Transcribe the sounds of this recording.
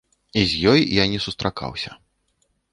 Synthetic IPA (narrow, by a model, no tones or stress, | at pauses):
izʲjɔjjanʲɛsust̪ɾʔaka̰wsʲɐ̰